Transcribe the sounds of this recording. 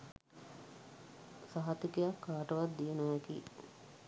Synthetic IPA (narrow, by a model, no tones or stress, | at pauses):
saɦat̪ikejakːaːʈəʋat̪d̪ijenuʋɛkḭː